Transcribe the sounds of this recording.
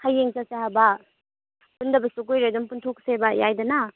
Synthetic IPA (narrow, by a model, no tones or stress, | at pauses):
hajːeŋsasahaba | pundɐbɐsuk̬ojɾadumpuntʰok̚sebajajdɐna